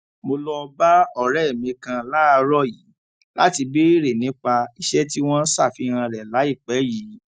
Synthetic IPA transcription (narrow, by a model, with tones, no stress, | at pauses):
mo˧lɔ˧ba˦ɔ˦˨ɾɛ˦˨mĩ˨˧kã˧la˦˧ɾɔ˦˨ji˨˦ | la̰˦ti˧be˦i˦ɾe˨nĩ˨˦k͡pa˧i˧ʃɛ˦ti˦w̃ɔ̃˦n̩˦sa˦˨fi˨˦ɾ̃ã˧ɾɛ˨la˨˦i˦˨k͡pɛ˨˦ji˨˦